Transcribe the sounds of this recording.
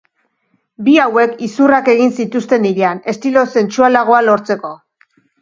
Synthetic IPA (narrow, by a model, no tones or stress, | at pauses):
biawe̞kisurake̞ɣ̞insit̪ust̪e̞niɾeane̞st̪ilo̞se̞nt͡sualaɣ̞o̞alo̞ɾt͡se̞ko̞